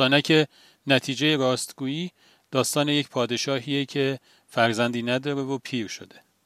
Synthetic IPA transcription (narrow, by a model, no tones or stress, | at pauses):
ɒːnæcʰe̞ | næt̪ʰiːd͡ʒe̞je̞ɾɒːst̪ɡuːjiː | d̪̥ɒːst̪ɒːneje̞cpʰɒːd̪e̞ʃɒːɦiːjecʰe̞ | fæɾzænd̪iːnæd̪ɒːɾevopʰiːɾʃo̞̰d̪e̞